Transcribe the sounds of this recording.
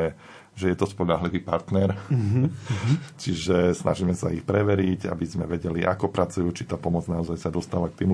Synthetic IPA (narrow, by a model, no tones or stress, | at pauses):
ɛ | ʒɛjɛt̪ɔspɔʎaɦliʋiːpaɾt̪nɛɾ | t͡ʃiʒɛsna̰ʒiːmɛsaixpɾɛʋɛɾiɟa̰bizmɛʋɛɟɛliʔa̰kɔpɾʔat͡sujuːt͡ʃi̥t̪aːpɔmɔd͡znaɔzajsad̪ɔst̪aːʋak̚t̪iːm